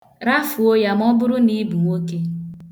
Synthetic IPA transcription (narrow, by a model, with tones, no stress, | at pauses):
ɾa˦fu˨o˦ja˨m˦ɔ˦bʊ˦ɾʊ˦ni˦bu˨mo˦ke˦